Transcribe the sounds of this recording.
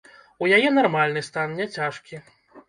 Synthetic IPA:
ujajɛnarmalʲnɨst̪annʲɛt͡sʲaʂkʲi

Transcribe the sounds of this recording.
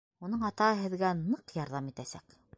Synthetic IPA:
unɤɴɑt̪ɑhɤɦɘ̆ðɡænɤqjɑɾðɑmit̪æsæk

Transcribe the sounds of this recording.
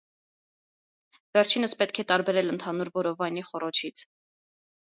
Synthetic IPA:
vɛɾt͡ʃʰinəspɛt̪kʰɛt̪ɑɾbɛɾɛlənt̪ʰɑnuɾvɔɾɔvɑjniχɔɾɔt͡ʃʰit͡sʰ

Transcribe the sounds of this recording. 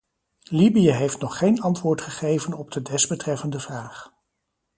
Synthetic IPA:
libijəɦejftnɔχːejnɑntʋʊːɹtχəχejvənɔb̚dədɛsbətrɛfəndəvraːχ

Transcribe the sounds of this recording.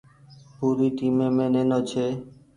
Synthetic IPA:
puɾiʈimemenenot͡ʃʰe

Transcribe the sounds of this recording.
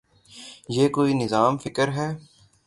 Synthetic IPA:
jeːkoːinɪzaːmfɪkəɾɦɛː

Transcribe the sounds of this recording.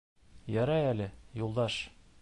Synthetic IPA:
jɒɾɑjælɘjulˠd̪ɑʃ

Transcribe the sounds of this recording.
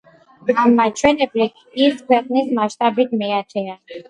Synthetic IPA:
amːat͡ʃʰwɛnɛpʼlikʰ | iɾt̪kʰwɛqʼnismaʃt̪ʼabit̪mɛat͡ʃʰɛa

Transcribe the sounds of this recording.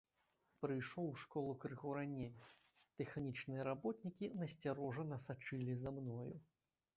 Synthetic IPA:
pɾɨjʂɔwʂkɔlˠukɾɨɣɔɾanʲej | t̪ɛxnʲit͡ʂnɨjɐɾabɔt̪nʲikʲinɐsʲt͡sʲaɾɔʐɐnɐsat͡ʂɨlʲizamnɔjṵ

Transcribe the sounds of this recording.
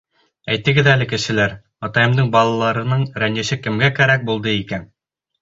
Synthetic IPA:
æjt̪ɘ̆ɡɘðælɘkɘ̆ʃɘ̆læɾ | ɑt̪ɑjɤ̆md̪ɤɴbɑlˠɑlˠɑɾɤ̆nɤɴɾænɘ̆ʃɘkɘ̆mɡækæɾæk̚bulˠd̪ɤikæn

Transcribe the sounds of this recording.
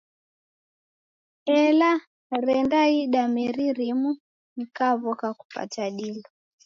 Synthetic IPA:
ɛla | ɾɛndaiɗamɛɾiɾimu | nikaβɔkaku̥pa̰taɗilɔ

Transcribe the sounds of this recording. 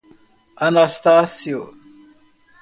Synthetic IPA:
ɐnast̪aːsijo̰

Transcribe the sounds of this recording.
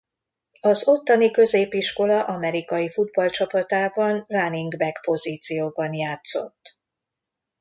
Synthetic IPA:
ɒzo̞t̪ːɒnikø̞zeːpiʃko̞lɒʔɒmɛɾikɒjifud̪̚bɒlt͡ʃɒpɒt̪aːbɒnraniŋɡbɛkpo̞ziːt̪sijoːbɒnjaːt̪so̞̰t̪ː

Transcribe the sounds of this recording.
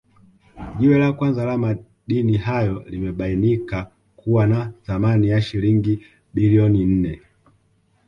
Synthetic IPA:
ʄiwɛlakwanzalama | ɗinihajɔlimɛɓainika | kuwanaθamanijaʃiliŋɡi | biliɔnin̩nɛ

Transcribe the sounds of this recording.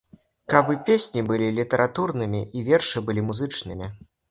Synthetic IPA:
kabɨpʲesʲnʲibɨlʲilʲit̪ɐɾʔat̪urnɨmʲiʔivʲɛrʂɨbɨlʲimuzɨt͡ʂnɨmʲi

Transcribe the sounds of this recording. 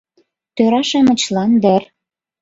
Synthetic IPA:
t̪øɾɑʃemə̆t͡ɕlɑnd̪ər

